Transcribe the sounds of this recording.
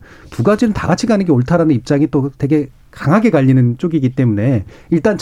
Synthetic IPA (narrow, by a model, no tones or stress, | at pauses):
puɡad͡ʑinɯnta̰ɡat͡ɕʰiɡanɯnɡeoɭtʰaɾanɯnip̚t͡ɕ͈aŋit͈otwe̞ɡe̞ | kaŋɦaɡe̞kaʎːinɯnt͡ɕ͈oɡiɡit͈e̞mune̞iɭt͈ant͡ɕ